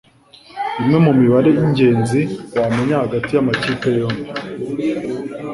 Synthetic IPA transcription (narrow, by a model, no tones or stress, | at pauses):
imŋe̞mumiβaɾe̞jiɲɟe̞ːnziwame̞ɲahaɡatijamaciːkejomi